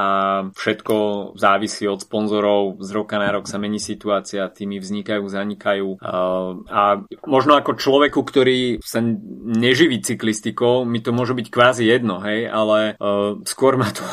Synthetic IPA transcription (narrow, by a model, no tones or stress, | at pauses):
afʃɛt̪kɔzaːʋisiːɔt̪spɔnzɔɾɔʊzɾɔkanaɾɔksamɛɲiːsit̪uaːt͡siat̪iːmivzɲikajuːzaɲikajuː | amɔʒnɔakɔt͡ʃlɔʋɛkukt̪ɔɾiːsaɲɛʒiʋit͡siklist̪ikɔʊmit̪ɔmʊɔʒɛbickʋaːzijɛd̪nɔɦɛjalɛskʊɔɾmaːt̪u̥